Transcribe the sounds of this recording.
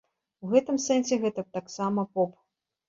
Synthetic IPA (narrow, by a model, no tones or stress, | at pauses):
wɣɛt̪ɨmsɛnsʲɛɣɛt̪ɐt̪aksamɐpɔp